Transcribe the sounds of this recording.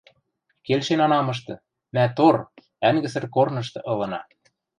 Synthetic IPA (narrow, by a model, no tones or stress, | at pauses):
kelʃenɑnɑmɤ̆ʃ̬t̪ɤ̆ | mæt̪or | æŋɡɘ̆sə̆rkornɤ̆ʃ̬t̪ɤ̆ʔɤ̆lɤ̆nɑ